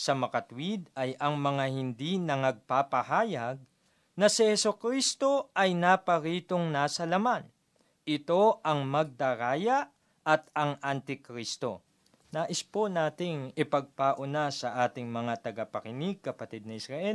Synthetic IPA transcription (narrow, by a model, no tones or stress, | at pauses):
sɐmɐkɐt̪wid̪̚ɐjʔɐŋmɐŋahɪnd̪inɐŋɐɡ̚papɐhaːjɐɡ̚ | nɐsɪhɛsokɾist̪o̞ʔɐjnapɐɾiːt̪o̞ŋnaːsɐlɐman | ɪt̪o̞ʔɐŋmɐɡ̚d̪ɐɾaːjɐʔ | ʔɐt̪ɐŋʔɐnt̪ɪkɾist̪o̞̰ | naːʔɪsponaːt̪ɪŋɪpɐɡ̚paʔʊnasɐʔaːt̪ɪŋmɐŋat̪ɐɡɐpɐkɪniɡ̚kɐpɐt̪id̪̚nɐʔɪsɾɐʔɛ